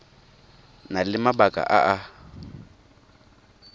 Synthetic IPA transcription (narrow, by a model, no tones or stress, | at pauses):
nalɪmabakʼa̰ʔa̰ʔa